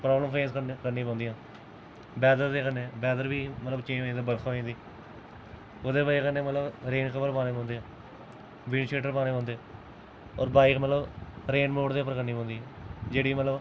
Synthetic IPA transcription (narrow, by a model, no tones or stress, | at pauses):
pɾaːbləmfẽːskəkəɾniːpɔ̃ːnd̪ɦãː | bɛːd̪əɾd̪eːkənːeːbɛːd̪əɾbiːmət̪ləbt͡ʃẽːõĩːd̪aːbəɾkʰoːĩːd̪iː | od̪eːbaːikənːeːmət̪ləbɾeːɳkʰəbəɾpaːneːɔ̃ːnd̪eːɦãː | ʋɪnt͡ʃeːʈəɾpaːñeːpɔ̃ːnd̪ẽ | ɔːɾbaːiːkmət̪ləbɾeːnmoːɽd̪eːəpːəɾkəɾniːpɔ̃ːnd̪iːɛ̃ːd͡ʒeːɽiːmət̪ləb